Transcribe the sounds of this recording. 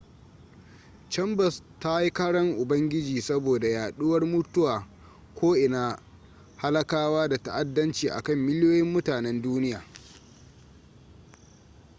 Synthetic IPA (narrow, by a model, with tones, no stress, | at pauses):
t͡ʃɛ˦mbɐ˨s | ta˦ji˦kaː˦ɽɐ˦ŋʔʊ˨bɐ˦ŋɡʲɪ˦d͡ʒiː˨sɐ˦boː˨da˨jaː˨ɗʊ˦wɐ˦rmʊ˦tʊ˦waː˨ | kʷoː˦ʔɪ˨na˨ | ha˦lɐ˦kaː˦waː˦da˨ta˦ʔa˦dːɐ˦nt͡ʃiː˨ʔa̰˨kɐ˦˨mːɪ˦lɪ˦joː˦jɪ˦mːʊ˦taː˨nɛ˦nduː˦nɪ˦jaː˨